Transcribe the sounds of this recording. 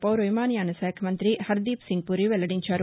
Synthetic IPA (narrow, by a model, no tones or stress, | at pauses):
pɐwɾojmaːnjaːnɐsaːkʰɐmɐnt̪ɾihɐɾd̪iːpsiŋɡ̚puɾiʋɛlːɐɽiɲt͡ʃaːɾ